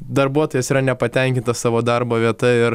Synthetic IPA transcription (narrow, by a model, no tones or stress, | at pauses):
d̪ɐrbuɔt̪oːjɛsiːɾɐnʲɛpɐt̪ʲɛŋʲkʲɪnt̪ɐssɑːʋoːd̪ɐɾboːʋʲiɛt̪ɐɪɾ